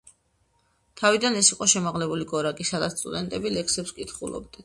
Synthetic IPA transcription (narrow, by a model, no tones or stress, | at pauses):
t̪ʰavid̪anɛsiqʼɔʃɛmaʁlɛbuliɡɔɾakʼisad̪at̪st̪ʼṵd̪ɛnt̪ʼɛbilɛksɛpskʼit̪χṵlˠɔ̰b̚d̪a